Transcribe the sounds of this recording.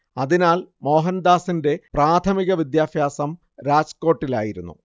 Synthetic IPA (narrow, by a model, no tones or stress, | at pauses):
ɐðinaːlmo̞ːɦɐnd̪aːsinde̞praːt̪ʰɐmiɣɐʋid̪jaːfjaːsɐm | ɾaːd͡ʑko̞ːʈːila̰ːjiɾṵnːṵ